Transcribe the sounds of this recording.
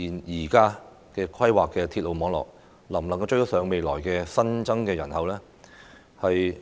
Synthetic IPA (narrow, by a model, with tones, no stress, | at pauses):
iː˨˩njiː˨˩kaː˥ | kɛː˧kʰwɐ˥jwaː˨kːɛː˧t̪ʰi˧t̚lo˨wmɔː˨˥ŋlɔ̰ː˨˩k̚ | lɐ˨˩mlɐ˨ŋkɐ˧wt͡ʃɵ˧ɥjɔ˥sœː˨˧ŋme˨˧jlɔː˨˩jkɛː˧sɐ˥nt͡sɐ˥ŋkɛː˧jɐ˨˩nhɐ˨wlɛː˥ | hɐ˨j